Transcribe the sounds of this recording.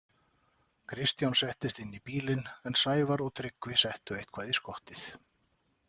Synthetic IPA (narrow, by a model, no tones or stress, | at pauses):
kʰɾɪst̪jawnsɛht̪ɪst̪ɪnːipiːlɪnɛnsaːjvaɾɔɣt̪ʰɾɪkvɪsɛht̪ʏejht̪kʰvaːðiskɔht̪ɪθ